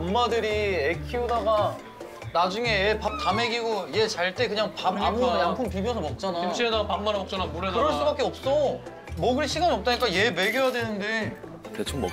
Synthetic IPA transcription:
mːadɯɾiekʰiudaɡa | nad͡ʑuŋe̞ːpap̚tame̞ɡiɡoje̞t͡ɕaɭt͈e̞kɯɲaŋpaamjampʰoŋpibjʌsʰʌmʌp̚t͡ɕ͈anaiomt͡ɕʰiedaɡpamːaɾɯʌk̚t͡ɕ͈anamoɾedkɯɾʌɭs͈ubak͈eʌp̚s͈ʌ | mʌɡɯɾiɕʰiɡaɲiʌp̚t͈aɲik͈aje̞me̞ɡjojadwenɯnde̞ | tet͡ɕʰomo

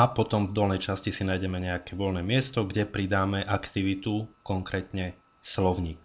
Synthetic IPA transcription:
apɔt̪ɔmvd̪ɔlnɛjt͡ʃascisinaːjɟɛmɛɲɛakɛʋɔlnɛːmɪɛst̪ɔɡɟɛpɾid̪aːmɛʔakt̪iʋit̪ukɔŋkɾɛːt̪ɲɛ | slɔʊɲiːk

